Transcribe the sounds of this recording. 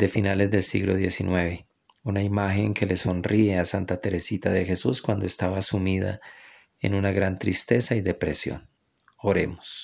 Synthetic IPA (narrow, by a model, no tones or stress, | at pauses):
d̪efinale̞zd̪e̞lsḭɣlo̞ðje̞sinwe̞βe̞ | unaimaxe̞ŋkʰe̞le̞so̞nrie̞asant̪at̪e̞ɾe̞sit̪aðe̞xe̞suskwand̪o̞e̞st̪aβaːsumiða̰ | ḛnunaɣɾant̪ɾist̪e̞saiðe̞pɾe̞sjo̞̰n | o̞ɾe̞̰mos